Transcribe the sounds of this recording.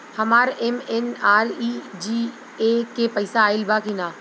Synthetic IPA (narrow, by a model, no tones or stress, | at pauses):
hɐmaːɾɛmɛnaːɾid͡ʒiː | ekepɐɪsaːɪlbakɪnaː